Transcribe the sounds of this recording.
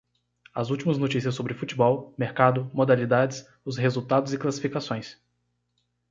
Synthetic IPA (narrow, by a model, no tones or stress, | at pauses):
ɐzuwt͡ʃimɐznot͡ʃisiɐs̬ːobɾɪfut͡ʃibɔwmeɾkad̪ʊmod̪alid̪ad͡ʒɪs | ʊsɦezuwt̪ad̪ʊzɪklasi̥fikasõj̃s